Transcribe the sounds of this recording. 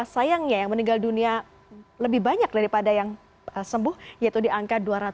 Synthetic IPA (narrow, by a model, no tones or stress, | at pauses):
asajaŋɲajaŋməniŋɡaldunia | ləbɪhbaɲak̚daɾipadajaŋ | əsəmbʊhjait̪udiaŋkat̪̚duaɾat̪